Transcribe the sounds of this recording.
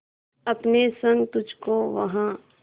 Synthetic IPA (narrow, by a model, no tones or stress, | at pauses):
ɐpnesɐ̃ŋɡt̪ʊd͡ʒʱkoʋɐ̰ɦã